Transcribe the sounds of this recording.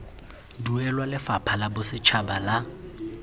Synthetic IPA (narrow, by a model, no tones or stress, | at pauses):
duɛlwalɪfapʰalabʊsɪt͡ʃʰabala